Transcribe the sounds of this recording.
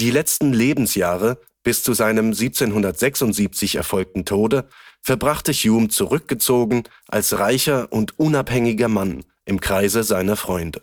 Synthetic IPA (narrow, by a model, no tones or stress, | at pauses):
d̥iːlɛt͡stn̩leːbm̩sjaːʁə | b̥ɪst͡suzaɪnəmziːp̚t͡seːnɦʊndɐtz̥ɛksʊntz̥iːp̚t͡sɪçɛ̰ɐfɔlk̚tn̩tʰoːdəfɛɐbʁaχtəçjuːmt͡suʁʏk̚ɡ̥ət͡soːɡŋ̩ | ʔa̰lsʁaɪçɐʔʊntʔʊnaphɛŋɪɡɐman | ʔɪmkʁ̥aɪzəzaɪnɐfʁ̥ɔʏndə